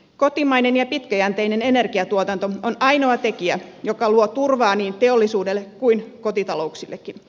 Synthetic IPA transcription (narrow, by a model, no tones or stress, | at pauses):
ko̞t̪imɑinenjɑpit̪kæjænt̪eine̞ne̞ne̞rkiɑt̪uot̪ɑnt̪oonɑjno̞ɑt̪e̞kiæjokɑluot̪urʋɑːniːnt̪e̞olːisuːdelːekkuinko̞t̪it̪ɑlouksilːʔekːin